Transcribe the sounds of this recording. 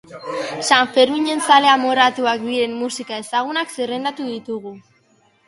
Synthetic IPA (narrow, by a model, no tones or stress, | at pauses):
saɱfe̞ɾmiɲe̞nsale̞amoɾat̪uak̚d̪iɾe̞mːusikae̞saɣ̞unakserend̪at̪uðit̪uɣ̞u